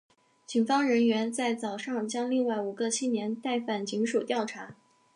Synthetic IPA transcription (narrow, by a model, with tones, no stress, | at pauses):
t͡ɕi˨˩nfɑ˥ŋɻə˧˥nɥɛ˧˥nt͡sa˥˩ɪt͡sɑ˨˩ʊʂɑ˥˩ŋt͡ɕjɑ˥ŋli˥˧ŋwa˥˩ɪu˨˩ɡə˧t͡ɕʰi˥njɛ˧˥nt̪a˥˧ɪfa˨˩nt͡ɕi˧˥ŋʂu˨˩t̪jɑ˥˩ʊʈ͡ʂʰa˧˥